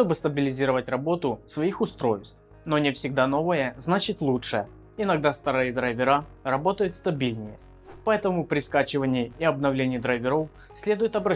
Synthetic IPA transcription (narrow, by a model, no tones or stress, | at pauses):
ʂt̪o̞bɨst̪ɐbʲɪlʲɪzʲiɾəvətʲrɐbo̞t̪ʊsvɐixʊst̪ɾo̞jst̪f | no̞nʲɪfsʲɪɡ̚d̪ano̞vəjəznat͡ɕɪt̪ʲlˠutʂɨə | ɪnɐɡd̪ast̪ɐɾɨɨd̪ɾɐjvʲɪɾa | rɐbo̞t̪əjʊt̪st̪ɐbʲilʲnʲɪjə | pɐɛt̪əmʊpɾʲɪskat͡ɕɪvənʲɪjəːɐbnɐvlʲenʲɪjɪd̪ɾɐjvʲɪɾo̞f | sʲlʲe̞d̪ʊjʊt̪ɐbɾɐ